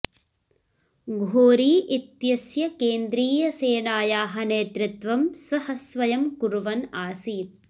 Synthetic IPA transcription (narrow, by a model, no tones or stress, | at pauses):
ɡʱoːɾiːʔit̪jɐsjɐkeːnd̪ɾiːjɐseːnaːjaːɦɐneːt̪ɾɪt̪ʋɐmsɐhɐsʋɐjɐmkuɾʋɐnaːsiːt̪̚